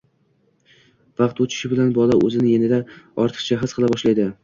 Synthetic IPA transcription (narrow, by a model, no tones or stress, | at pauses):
vɑqt̪ot͡ʃʰɪ̥ʃɪbɪlanbɒlˠaʔɵ̰zɪnɪje̞nɪd̪aɒɾt̪ʰɨ̥qt͡ʃʰaɦazqʰɨlˠabɒʃlajd̪ɪ